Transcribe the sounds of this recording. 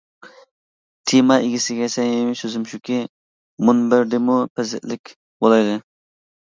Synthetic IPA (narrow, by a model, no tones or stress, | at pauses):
t̪ʰimɑʔɪɡʲisɪɡʲɛsɛŋjimɪsøzɪmʃukʲi | munbɪɾd̪ɪmupʰɛzɪ̰ʔlɪkʲ | bolˠɑjd̪ɨ